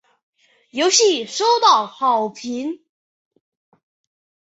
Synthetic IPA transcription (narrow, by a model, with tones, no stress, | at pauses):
jo˧˥ʊɕi˥˩ʂo˥ʊt̪ɑ˥˩ʊxɑ˨˩ʊpʰi˧˥ŋ